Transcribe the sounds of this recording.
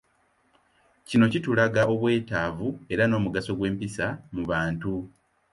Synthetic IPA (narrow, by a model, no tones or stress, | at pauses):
cino̞citulaɡaʔo̞βwe̞ːtaːvue̞ɾano̞ːmuɡaso̞ɡwe̞ːmpisamuβaːntu